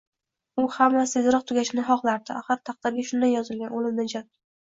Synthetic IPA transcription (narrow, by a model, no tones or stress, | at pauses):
ʊhamːasezɾɨq̚t̪ʰʊɡʲaʃɪnɪɦɒqlˠaɾd̪ɪʔaχɨɾt̪ʰɑq̚t̪ʰabijʃʊnd̪anjɒzɪlɡʲanolɪmnɪd͡ʒat̪